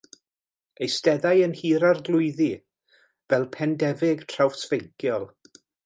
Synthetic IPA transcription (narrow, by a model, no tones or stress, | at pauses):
ejstɛðajənhiːɾarɡlˠʊɨði | vɛlˠpʰɛndɛvɪɡ̥tʰr̥awfsv̥ejkʰjɔlˠ